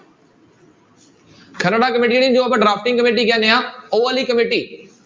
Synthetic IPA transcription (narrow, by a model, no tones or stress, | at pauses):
kʰənəɽaːkəmeːʈ̬iːɽĩnd͡ʑoːɐbəɖɾaːfʰʈɪ̃ŋɡkəmeːʈ̬iɡjãːnejãːoːaːliːkəmeːʈiː